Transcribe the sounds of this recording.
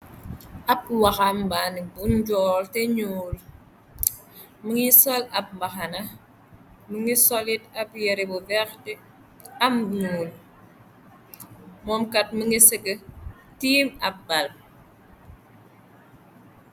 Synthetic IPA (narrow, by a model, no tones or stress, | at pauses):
ʔap̚waxambanibunɟɔːlteɲuːl | məŋisolap̚mbaxana | məŋisolitapjeɾebuvɛxte | amɲuːl | mɔmkat̚məŋiseɡə | tiːmap̚bal̚